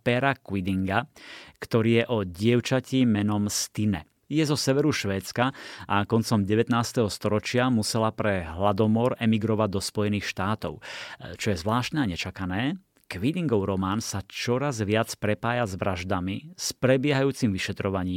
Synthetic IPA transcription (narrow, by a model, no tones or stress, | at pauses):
pɛɾakʋid̪iŋɡakt̪ɔɾiːjɛʔɔɟɪɛʊt͡ʃacimɛnɔmst̪inɛ̰ | jɛzɔsɛʋɛɾuʃʋɛːt͡skaʔakɔnt͡sɔmɟɛʋɛt̪naːst̪ɛɦɔst̪ɔɾɔt͡ʃɪamusɛlapɾɛɦlad̪ɔmɔɾɛmiɡɾɔʋaɟ̚d̪ɔspɔjɛniːxʃt̪aːt̪ɔ̰ʊt͡ʃɔjɛzʋlaːʃt̪nɛaɲɛt͡ʃakanɛː | kʋid̪iŋɡɔʊɾɔmaːnsat͡ʃɔɾazʋɪat͡spɾɛpaːjazʋɾaʒd̪amispɾɛbɪɛɦajuːt͡simʋiʃɛt̪ɾɔʋaɲiːm